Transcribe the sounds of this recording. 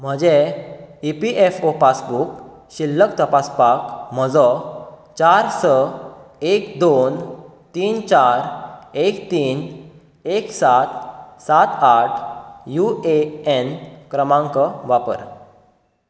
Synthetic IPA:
m̤əd͡ʑeipiʔefopasbuk | ɕilːəkt̪əpaspakm̤əd͡zɔt͡ɕaɾsə | ekd̪on | t̪iːnt͡ɕaɾekt̪iːn | eksat̪sat̪aʈʰjueenkɾəmãŋkəʋapə̰ɾ

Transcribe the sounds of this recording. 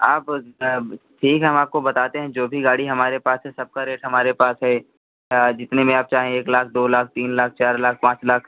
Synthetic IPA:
aːpː | ʈʰiːkɦɦɐmaːp̚kobɐt̪aːt̪eɦɛ̃d͡ʒoːbʱiɡaːɽiɦɐmaːɾepaːsɦɛsɐb̚kaɾeːʈɦɐmaːɾepaːsɦɛ | d͡ʒɪt̪nemẽaːp̚t͡ʃaːɦẽeːklaːk̚ʰd̪oːlaːk̚ʰt̪iːnlaːk̚ʰt͡ʃaːɾlaːk̚ʰpãːt͡ʃlaːkʰ

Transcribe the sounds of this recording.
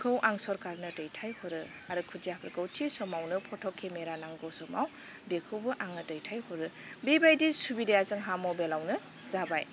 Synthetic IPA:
kʰɯwʔaŋsɔɾkaɾnɯtɯjtʰajhɔɾɯ | aɾɯkʰuziapʰɾkɯwtʰisɔmawnɯpʰɔtʰɔkʰːemeɾanaŋɡɔwsɔmaw | dekʰɯwbɯʔaŋnɯtɯjtʰajhɔɾɯbibajdisubidejazɯŋɦamɔbelawnɯ | zabaj

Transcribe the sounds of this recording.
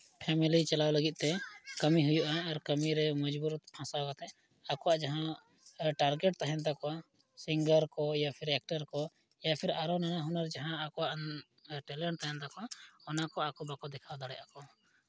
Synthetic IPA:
pʰɛmilit͡ʃalawləɡit̪̚t̪ɛkəmiɦujuʔaːɾkəmiɾɛməd͡ʒbuɾpʰãsakat̪ɛ | akɔwaʔd͡ʒaɦã | ʈaɾɡɛʈ̚t̪aɦɛ̃nt̪akɔa | siŋɡəɾkɔjapʰiɾɛk̚ʈəɾkɔ | japʰiɾaɾɔnanaɦunaɾd͡ʒaɦãːkɔwaʔ | ʈɛlɛɳʈt̪aɦɛ̃nt̪akɔaɔnakɔakɔbakɔd̪ɛkʰawd̪aɽɛjʔakɔ

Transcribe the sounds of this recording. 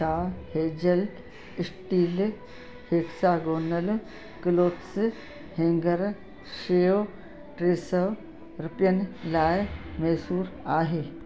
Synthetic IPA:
aːheːd͡ʒɐl | ɪsʈiːl | heksaːɡoːnːɐl | kɪloːt̪sɨ | heŋɡɐɾ | ʃeo | ʈɾeːsɐ | ɾɪpjɐnlaːjmeːsuːɾaːɦeː

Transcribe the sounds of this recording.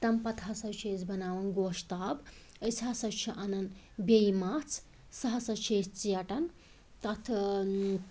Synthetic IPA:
t̪ɐmpɐt̪ʰɐsɐt͡ʃʰeːd͡zbɐnaːʋɐnɡoːʃt̪aːb | əsʰasɐt͡ʃʰɐʔanɐnd̪ | bejmat͡sʰ | sɐɦɐsɐt͡ʃʰest͡sijɐʈɐn | t̪ɐt̪ʰ

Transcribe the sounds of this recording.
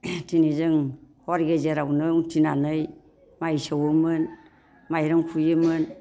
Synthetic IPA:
tinizɯŋhoɾɡezeɾawnɯŋtʰinanɯj | majsawəmɯn | majɾaŋkʰujɯmən

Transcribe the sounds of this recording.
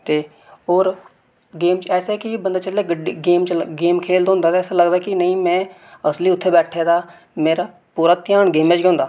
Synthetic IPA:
t̪eː | ɦoːɾ | ɡeːmt͡ʃɛːseːkɪbənd̪aːt͡ʃəleːɡeːmt͡ʃɡeːmkʰeːld̪ɦʊ̃nd̪aːt̪eɛːseləɡd̪aːkɪnəĩːmɛ̃ː | əsliːʊt̪ʰːeːbɛːʈʰeːd̪aː | meːɾaː | puːɾaːt̪ɪjaːɳɡeːmeːt͡ʃɡõʊnd̪aː

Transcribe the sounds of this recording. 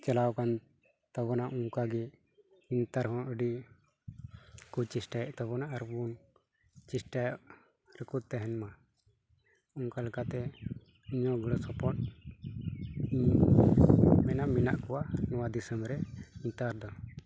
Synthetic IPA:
t͡ʃɛlawkan | t̪abɔnaʔuŋkaɡɛ | int̪aɾɦɔnəɖi | kut͡ʃisʈajɔʔt̪ɔβɔnaʔaɾbun | t͡ʃisʈajɔʔ | ɾəkut̪̚t̪ɛɦɛnma | uŋkalakat̪ɛ | iɲɔɡəɽɔsɔpɔʈ̚ | i | mɛnamɛna̰ʔkɔwaʔnɔwad̪isəmɾɛint̪aɾd̪ɔ

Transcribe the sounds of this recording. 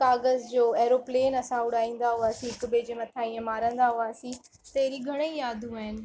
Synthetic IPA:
kaːɡəzd͡ʑoːɛːɾoːpleːnɐsãʊɽaːĩːn̆d̪aɦʊaːsĩɪkʊbeːd͡ʑemɐt̪ʰaːĩə̃maːɾə̃nd̪aɦʊaːsĩ | t̪eːɾiɡʱɐɽ̃eijaːd̪ʱũaːɦɪnɪ̆

